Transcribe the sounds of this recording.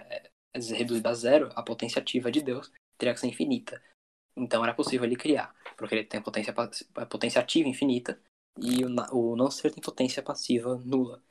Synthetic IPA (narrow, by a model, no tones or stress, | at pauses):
ɛ | hed̪uzid̪ʊazɛɾʊɐpot̪ẽsiat͡ʃivɐd͡ʒɪd̪ews | t̪eɾiaksɐ̃w̃ĩfinit̪ʰɐ | ẽnt̪ɐ̃w̃ɛɾɐposivewlɪkɾia̰ɾpʊɾkɪelɪt̪ẽj̃pot̪ẽsiɐpasɛpot̪ẽsjat͡ʃivɐĩfinit̪ɐ | ɪnʔʊnɐ̃w̃seɾt̪ẽj̃pot̪ẽsiɐpasivɐnulɐ